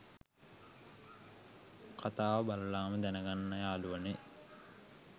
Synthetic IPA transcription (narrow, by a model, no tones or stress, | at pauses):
kʰat̪aːʋəbaləlaːməd̪ænəɡanːɐjaːluʋəne